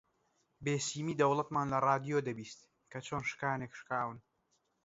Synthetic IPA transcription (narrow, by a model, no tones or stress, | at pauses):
beːsiːmiːd̪ɐwlˠɐt̪maːnlɐrˤɑːd̪ijoːd̪ɐbiːst̪ | kʰɐt͡ʃʰoːnʃɨ̥kaːneːkʃkaːwɨn